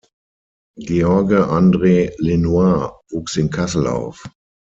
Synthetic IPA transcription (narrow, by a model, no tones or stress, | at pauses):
ɡeɔɐɡəʔandʁeːlenuavuːksɪnkʰasl̩a̰ʊf